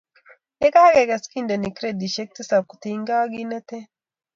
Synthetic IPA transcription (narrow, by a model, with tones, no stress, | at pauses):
ɛ˦ɡaː˦ɡe˨ɡɐ˨ski˦nd̪ɐ˨nɪ˨kɾe˦d̪i˨ʃɛ˦k̚t̪ɪ˦sa˨kːʊ̥t̪iŋɡaː˦ɡi˦nɐ˦t̪e˦